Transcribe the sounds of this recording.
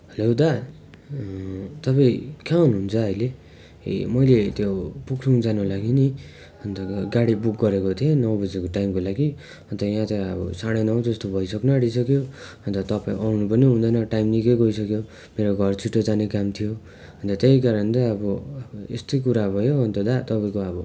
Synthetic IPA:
ɦʌlod̪a | t̪ʌpaĩkʰaunɦunt͡sʰʌʌjlḛ | mʌjlet̪jopukʰruŋd͡zanulaɡini | ʌnt̪ʌɡaɽibuk̚ɡʌɾekot̪ʰienʌwbʌd͡zekoʈajmkolaɡi | ʌnt̪ʌjãt̪aʌbʌ̰saɽ̃enʌw̃d͡zʌst̪obʱʌjsʌknʌaɽisʌkjoʌnt̪ʌt̪ʌpãḭ̃ʔawnupʌniɦũnd̪ʌnʌʈajmnikʌjɡʌisʌkjo | meɾoɡʱʌrt͡sʰiʈːod͡zanekamt̪ʰijo | ɦʌnt̪ʌt̪eɦikaɾʌnt̪ʌʌbʌḛst̪ʌjk̬uɾabʱʌjoɦʌnt̪ʌd̪at̪ʌpaĩkoʌbʌ

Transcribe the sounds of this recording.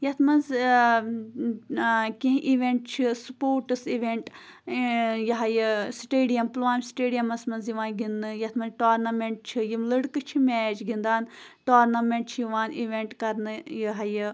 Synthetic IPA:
jɐt̪ʰmɐnz | kĩɦʔiʋʲeɳʈt͡ʃʰisupoːɾʈɨsiʋʲeɳʈ | jɐɦɐjɨsʈeːɖijɐmplaːmʲsʈeːɖijɐmɐsmɐnzjiʋãːnɡʱinːɨjɐt̪ʰmɐnzʈaːɾnɐmeɳʈ̚t͡ʃʰijimlɨɽkɨt͡ʃʰimʲɛːd͡ʒɡʱind̪aːnʈoːɾnɐmẽɳʈ̚t͡ʃʰjiʋaːnʔiʋẽɳʈkɐɾnɨjɐɦɐjɨ

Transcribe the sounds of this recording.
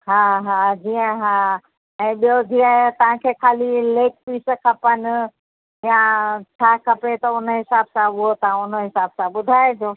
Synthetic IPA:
ɦaɦãd͡ʑiːə̃ɦã | ɛ̃ːɓijod͡ʑiːə̃t̪ɐʋ̤ãkʰekʰaːlileːk̚piːsəkʰɐpənɪ̆ | jat͡ʃʰaːkʰɐpɽet̪ɐʊnɦɪsaːbsãʊɦot̪ãʊnəɦɪsaːbsãɓʊd̪ʱaːed͡ʑoː

